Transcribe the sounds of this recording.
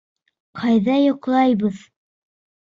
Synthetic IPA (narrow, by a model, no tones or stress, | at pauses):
qʰɑjðɑjŏqlˠɑjbɤð